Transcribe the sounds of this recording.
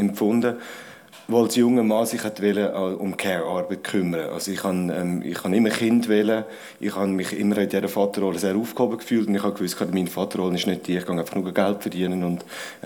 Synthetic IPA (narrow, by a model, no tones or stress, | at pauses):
ɛmfʊndə | ʋoɑlsjʊŋəmɑːsɪχhɛt̪vɛləʔʊ̰mkʰɛɹɑɾbət̚kʰʏmːəɾəʔɑ̰soɪχhɑnɛ̰mɪ̰χhɑnɪmːəχɪndvɛlə | ʔɪχhɑnmɪχɪ̰mːəɾaɪd̥ɛɾəfɑt̪əɾoləseːɾuːfkhobəkfyːltʊndɪχhɑkʋʏstkʰɑːdmiːnfɑtəɾoːlənɪʃnød̚d̥iːəɪχkʰɑnaɪfɑ̥χnuːɡəɡæltfəd̥iənənʊnd̥